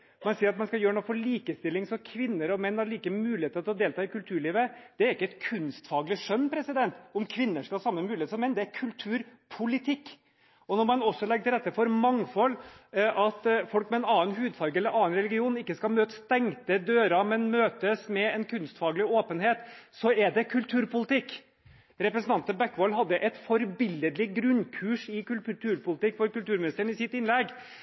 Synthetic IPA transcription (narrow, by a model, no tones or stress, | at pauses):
mɛnsiːɾɑt̪mɑnskɑljøːɾɳuːəfɔɭiːkəst̪ɪlːɪŋsɔmkʰʋɪnːəɾɔmɛnːhɑɾɭiːkəmʉːlɪheːt̪əɾt̪ɪlɔd̪eːlt̪ʰɑːɪkʉlt̪ʰʉːɭiːʋəd̪̥ɛæɾɪkːəɛt̪kʰʉnst̪fɑːɡlɪʂœnːpʰɾɛsɪd̪ɛnt̪ɔmkʰʋɪnːəʂkɑlhɑːsɑmːəmʉːlɪeːt̪sɔmːɛnːd̪ɛæɾkʰʉlt̪ʰʉːɾpʰʊlɪt̪ʰɪkː | ɔnɔɾmɑnɔsːɔlɛɡːt̪ʰɪlɾɛt̪ːəfɔɾmɑŋfɔlːʔɑt̪fɔlkmɛɛːnɑːənhʉːd̪fɑɾɡɛlːəɾʔɑːnɾɛlɪɡɪuːnɪkːəskɑmøːt̪əst̪ɛŋt̪əd̪øːɾɑmɛnmøːt̪əsmɛɛnkʰʉnst̪fɑːɡəlɪoːpənheːt̪sɔɛɖɛkʰʉlt̪ʰʉːɾpʊlɪt̪ɪkː | ɾɛpɾəsn̩t̪ɑnt̪əbækːʋɔlɦɑd̪ːəʔɛt̪fɔɾbɪləd̪lɪɡɾʉnkʰʉːʂɪkʉlt̪ʰʉlt̪ʰʉːɾpʰʊlɪt̪ɪkːfɔɾkʉlt̪ʉːɾmɪnɪst̪əɳ̩ɪsɪt̪ɪnlɛɡ